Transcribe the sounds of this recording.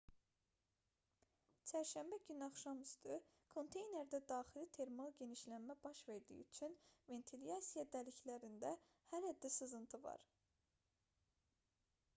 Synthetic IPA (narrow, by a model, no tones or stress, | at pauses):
t͡ʃʰæɾʃæmbæɟynɑχʃɑmyst̪ʰy | kʰo̞nt̪ʰe̞jne̞ɾd̪æd̪ɑːχilit̪ʰe̞ɾmɑlˠɟe̞niʃlænmæbɑʃve̞ɾd̪ḭːyt͡ʃʰynve̞nt̪ʰilijɑsijɑd̪æliçlæɾind̪æ | hælæd̪ːæsɯzɯnt̪ʰɯvɑ̰ɾ